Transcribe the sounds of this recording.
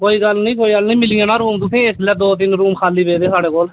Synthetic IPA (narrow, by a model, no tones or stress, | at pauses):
koːiːɡəlnĩːkoːiːɡəlnĩːmɪlijãːnãːɾuːmt̪̬ʊt̪ʰẽːeslɛːd̪oːt̪̬ɪnɾuːmkʰaːliːbeːd̪eːsaːɽeːkoːl